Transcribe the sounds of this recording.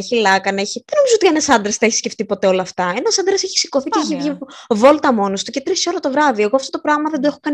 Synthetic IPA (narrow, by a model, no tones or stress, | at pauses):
eçilɐkɐneçiðenoizoot̪ienesɐnd̪ɾesθɐeçi̥sceft̪ipo̞t̪e̞o̞lɐːft̪ɐenɐsɐnd̪ɾeseçi̥si̥ko̞θiceeçivʝivo̞lt̪ɐmo̞nost̪ucet̪ɾisioɾɐt̪o̞vɾɐðie̞ɣoɐft̪o̞t̪o̞pɾɐɣmɐðend̪oexokɐn